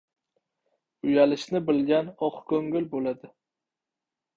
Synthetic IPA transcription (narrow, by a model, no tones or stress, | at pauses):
ʊjalɪʃnɪbɪlɡʲanɒqkʰɵŋɡɪlbolad̪ɪ